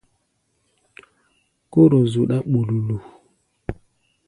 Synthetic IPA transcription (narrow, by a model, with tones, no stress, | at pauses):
ko˦ɾo˨zu˨ɗa˦ɓu˨lu˨lu˨